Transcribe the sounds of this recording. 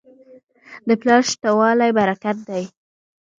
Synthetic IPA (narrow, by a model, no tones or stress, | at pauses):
d̪əplɑʃt̪awɑlajbaɾakat̪̚d̪aj